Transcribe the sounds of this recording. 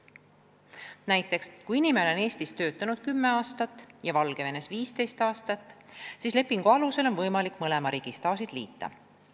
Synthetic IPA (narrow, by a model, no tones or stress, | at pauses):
næjt̪ːˑe̞kskuinimeelo̞ne̞ːst̪ist̪ø̞ːt̪ːˑɑnud̪̥̚kymːe̞ɑːst̪ɑt̪ːˑjɑvɑlɡ̥e̞ve̞ne̞sviːst̪e̞jst̪ɑːst̪ɑt̪ːˑsiːsle̞pːˑiŋɡ̥uɑluse̞lo̞nvɤjmɑlikːˑmɤle̞mɑɾiːɡ̥ist̪ɑːsid̪̥lḭːt̪ˑːɑ̰